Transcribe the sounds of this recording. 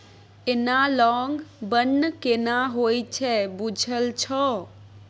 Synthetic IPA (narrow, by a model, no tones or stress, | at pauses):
enalɔŋɡbənːkenaɦojt͡ʃʰɛbud͡ʒʱəlt͡ʃʰɔ